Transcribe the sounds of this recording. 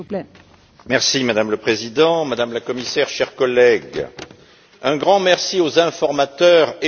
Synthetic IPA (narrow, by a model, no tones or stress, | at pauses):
mɛʁsimad̪amləpχezid̪ɑ̃mad̪amlakɔmisɛʁʃɛʁkɔlɛɡ | ɛ̃ɡʁɑ̃mɛʁsiozɛ̃fɔʁmat̪œʁe